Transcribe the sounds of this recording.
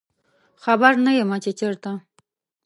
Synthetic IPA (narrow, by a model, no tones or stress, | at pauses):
xabaɾnajemat͡ʃet͡ʃəɾt̪a